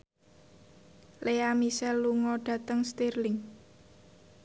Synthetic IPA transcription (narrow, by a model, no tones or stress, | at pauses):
lʔeamisɛlːuŋɔɖ̥ä̤t̪əŋst̪irlɪŋ